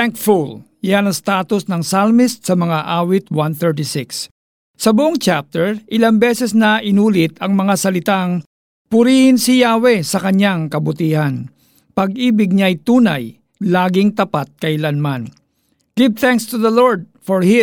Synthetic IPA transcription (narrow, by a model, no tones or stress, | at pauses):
aŋkful | janɐst̪aːt̪ʊsnɐŋsalmɪst̪̚sɐmɐŋaʔaːwɪt̪̚wanθɛɹt̪ɪsɪks | sɐbʊʔoŋt͡ʃap̚t̪ɛɹʔɪlambɛsɛsnɐʔɪnuːlɪt̪ɐŋmɐŋasɐlɪt̪aŋ | pʊɾiːhɪnsɪjaːwɛsɐkɐɲaŋkɐbʊt̪iːhɐn | pɐɡ̚ʔiːbɪɡ̚ɲaɐjt̪uːna̰j | laːɡɪŋt̪ɐpat̪̚kɐʔɪlanman | ɡ̥ɪv̚θaŋkst̪ʊðɐloɹd̪̚fɔɹhɪ